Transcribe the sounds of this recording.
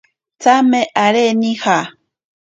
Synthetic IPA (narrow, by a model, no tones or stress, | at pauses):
t͡sameʔaɾenixa